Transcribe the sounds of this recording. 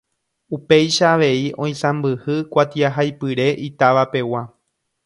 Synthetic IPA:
upe̞jʃaːʋe̞iʔõ̞j̃sãmbɨhɨkʷat̪iaɦajpɨɾe̞ʔit̪aʋape̞wa

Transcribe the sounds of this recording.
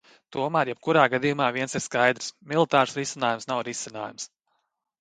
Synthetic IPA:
t̪uɔmæːɾjɛb̥̚kuɾaːɡad̪ijumaːviɛnsiɾskajd̪ɾsmʲilˠit̪aːɾsɾisinaːjumsnawɾisina̰ːjums

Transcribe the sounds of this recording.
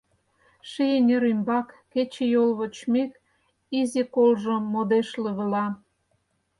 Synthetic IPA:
ʃejenʲeɾymbɑkːet͡ɕĕjolβot͡ɕmek | izekolʒŏmod̪eʃlə̆βəlɑ

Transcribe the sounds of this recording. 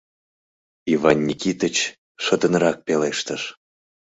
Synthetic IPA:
ivɑnʲːikʲit̪ət͡ɕ | ʃəd̪ənɾɑk̚peleʃt̪əʃ

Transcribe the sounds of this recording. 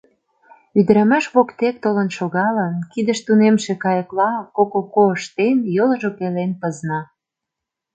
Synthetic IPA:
yd̪ə̆ɾæmæʃβokt̪ek̚t̪olə̆nʃoɣɑlənkid̪ə̆ʃt̪unemʃekɑjəklɑkokokoəʃt̪enjolɤ̆ʒopelenpə̆znɑ

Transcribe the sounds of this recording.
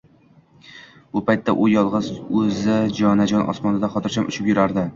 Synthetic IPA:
b̥ʊpajt̪ʰːaʔʊjɒlˠʁɨzɵzɪd͡ʒɒnad͡ʒɒnʔɒ̰smɒnɪd̪aχɒt̪ʰɪɾt͡ʃʰamʊ̰t͡ʃʰɪpjʊɾaɾd̪ɪ

